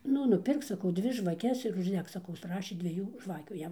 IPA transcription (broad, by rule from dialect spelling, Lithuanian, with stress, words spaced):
ˈnʊ nʊˈpʲɪrk sɐˈkɐʊ ˈdʲʋʲɪ ʒʋɐˈkʲɛs ɪr ʊʒʲˈdʲɛk sɐˈkɐʊ ˈprɑːʃʲeː dʲʋʲiɛˈjuː ˈʒʋɑːkʲuː ˈjɛm